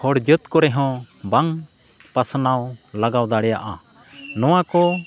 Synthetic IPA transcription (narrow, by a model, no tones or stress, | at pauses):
hɔɽd͡ʒət̪kɔɾɛɦɔ̃ | baŋ | pasnawlaɡawd̪aɽɛja̰ʔa̰ | nɔw̃akɔ